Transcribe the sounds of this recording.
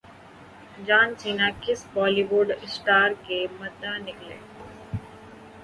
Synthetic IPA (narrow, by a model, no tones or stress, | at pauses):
d͡ʒaːnsiːnakɪsbɔːliːʋʊɖɪsʈaːɾkemɐd̪ːanɪklḛː